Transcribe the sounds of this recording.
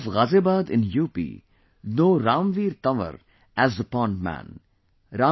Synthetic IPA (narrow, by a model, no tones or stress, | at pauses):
fɣazeːbaːd̪ɪ̰̃njuːpḭ | noːɾãːmʋiːɾt̪ʌʋə̰ɾ | æzd̪əpɔ̃ːnɖmæ̰̃n | ɾãː